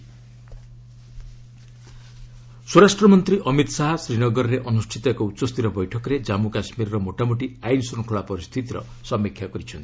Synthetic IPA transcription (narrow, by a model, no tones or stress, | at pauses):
suɾasʈɾɔmɔnt̪ɾiʔɔmit̪ɔsaɦasɾinɔɡɔɾɔɾeʔɔnusʈʰit̪ɔakɔut̪ːsɔst̪ʰiɾɔbɔjʈʰɔkɔɾed͡ʒamukasmiɾɔɾɔmoʈamoʈiajnsɔŋkʰoɭapɔɾist̪ʰit̪iɾɔ̰ | sɔmikʰjakɔɾit͡ʃʰɔnt̪i̥